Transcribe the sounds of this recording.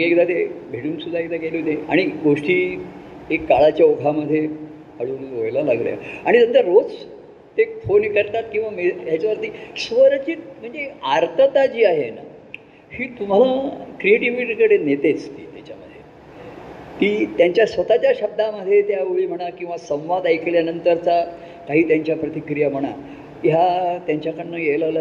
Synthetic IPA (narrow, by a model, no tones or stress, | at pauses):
ɡekd̪at̪ebʱeɽuːnsud̪ʱaekt̪akeleɦot̪ea̰ɽ̃iɡʱoʂʈiː | ekːaɭat͡ɕjaoɡʰʱaməd̪ʱːje | əɽuːnojlala̰ɡlja̰aɽit̪ənt̪əɾɾot͡s | t̪efonkəɾt̪at̪kĩw̃ʋamejat͡ɕaʋəɾt̪iːsʋəɾt͡ɕiːt̪m̤əɳd͡zeaɾt̪ʰət̪ad͡ʑiːaɦena̰ | hiːt̪um̤alakɾieʈiʋiʈikəɽenet̪et͡st̪ḭːt̪jat͡ɕaməd̪ʱːje | t̪iːt̪jaɲt͡ɕjasʋət̪at͡ɕaɕəb̚d̪aməd̪ʱːjet̪jaʋeɭiːm̤əɽ̃akĩw̃ʋasə̃w̃ʋad̪ajkljanənt̪əɾt͡sa | kaɦiːt̪jaɲt͡ɕjapɾət̪ikɾijam̤əɽ̃a̰ | ɦjat̪jaɲt͡ɕjakəɳɳəjejlal